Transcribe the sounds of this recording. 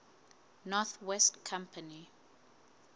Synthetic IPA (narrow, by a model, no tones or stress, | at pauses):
nɔθwɛstkʰãmpʰəni